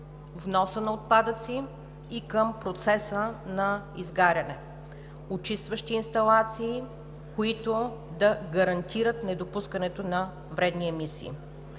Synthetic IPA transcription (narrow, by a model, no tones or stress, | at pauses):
vnɔsənɐot̪̚pad̪ət̪siː | kəmpɾot̪sɛsənɐizɡaɾʲɐnɛ | ot͡ʃist̪vəʃt̪iːnst̪ɐlˠat̪siː | koit̪od̪ɐɡɐɾɐnt̪ʰiɾət̪nɛd̪opuskənɛt̪onɐ | vɾɛd̪niɛmisḭː